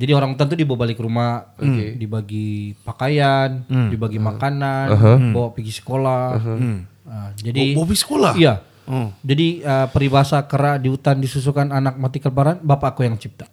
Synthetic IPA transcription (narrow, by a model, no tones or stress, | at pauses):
d͡ʒadioɾaŋut̪ant̪̬udibbalɪkrumadibaɡipakajandibaɡimakananɦbawaʔpiɡisə̥kola | əd͡ʒadibobisə̥kolaija | od͡ʒadiəpəɾibaɦasakəɾadiut̪andisus̬ukananak̚mat̪ikəlpaɾanbapaːkujaŋt͡ʃip̚t̪ḁ